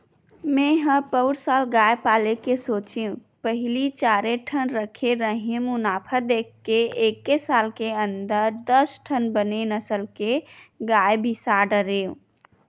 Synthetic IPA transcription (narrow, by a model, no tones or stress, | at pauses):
mẽɦə̃pəʊɾsaːlɡaːepaːlekesoːt͡ʃiũ | pəɦlit͡ʃaːɾeʈʰənɾəkʰeɾəɦĩmʊnaːpʰəd̪eːkʰːeeːkːesaːlkeə̃nd̪əɾd̪əsʈʰənbənenəsəlkeɡaːebʱisaɖəɾeũ